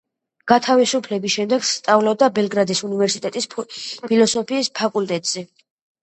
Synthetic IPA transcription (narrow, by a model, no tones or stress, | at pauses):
ɡ̥at̪ʰavisupʰlɛbisʃɛmd̪ɛɡst̪ʼavlɔd̪abɛlɡɾad̪isunivɛɾsit̪ʼɛt̪ʼispʰilɔsɔpʰiːspʰakʼult̪ʼɛt̪ʼz̥ɛ